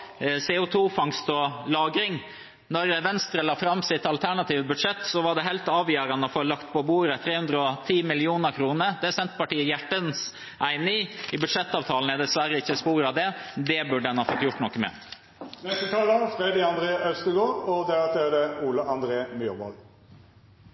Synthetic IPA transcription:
sɛʊt̪ʰuːfɑŋst̪ɔlɑːɡɾɪŋ | nɔɾʋɛnst̪ɾəlɑːfɾɑmːsɪt̪ɑlt̪ʰæɳɑt̪ʰiːʋəbʉd̪ʂɛt̪ːsɔʋɑɖɛɦɛlt̪ɑːʋjøːɾɑnəɔfoːlɑkt̪pʰɔbuːɾət̪ʰɾeːhʉnd̪ɾəɔt̪ʰiːmɪlɪuːnəɾkʰɾuːnəɾd̪ɛsɛnt̪pɑʈiːəjæʈːəns | ʔæɪnɪŋɪbʉd̪ʂɛt̪ːɑːʋt̪ʰɑːln̩ɛd̪ɛsʋæɾəɪçːəspuːɾɑʋd̪ɛd̪ɛbʉɖəd̪ɛnhɑːfɔt̪ːjʊʈːnɔkːəmɛ̰ | nɛst̪ət̪ʰɑːləfɾɛd̪ɪɑnd̪ɾeːʔœlst̪əɡoːɔd̪ɛbɑt̪ʰeːdəuːləʔɑnd̪ɾeːmjyɾbɔ̰l

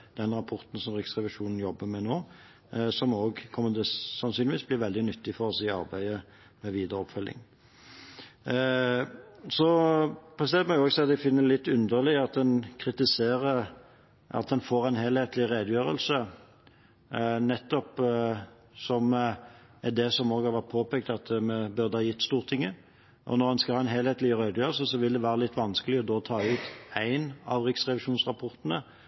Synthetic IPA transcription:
d̪̥ɛnʁɑpʰɔʁt̪n̩sɔmʁɪksʁɛʋɪʂuːnn̩jɔbːəmɛnoː | sɔmoːɡkʰɔmːəd̪əsɑnsynɪʋiːsblɪʁɾʋɛld̪ɪnʏt̪ːɪfɔʁɔsɪɑ̰ʁbæɪə | mɛʋiːd̪əɾɔpfœlʔɪ̰ŋ | sɔpʰɾɛsɛnt̪mɔɡjʊoːɡsæɪɑt̪d̪æfɪnːəlɪt̪ːʉnd̪əʁlɪəɑt̪̚d̪ɛnkʰʁɪt̪ɪseːʁə | ɑ̰t̪̚d̪ɛnfoːʁæɪnhelheːt̪lɪʁeːd̪əjøːʁəlsə | nɛt̪ːɔp | sɔm | ɛd̪ɛsɔmoːɡhɑʁʋɑt̪̚pʰoːpeːk̚t̪ɑt̪mɛbʉʁd̪əhɑːjɪt̪ːst̪uːʁt̪ʰɪŋːə | ʔɔ̰nɔʁɛnskɑlæɪnɦɛːlheːt̪lɪʁeːd̪jøːʁəls̬əsɔʋɪld̪ɛʋæːɾəlɪt̪ːʋɑnskəlɪɔd̪oːt̪ʰɑːʉːt̪æɪnɑʋʁɪksʁɛʋɪʃuːnsʁɑpʰɔʁt̪ənə

